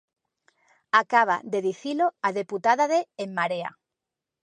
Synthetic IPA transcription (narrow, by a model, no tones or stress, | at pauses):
akaβ̞a̰d̪e̞ðiθiloaðe̞put̪aðaðeːmːaɾea̰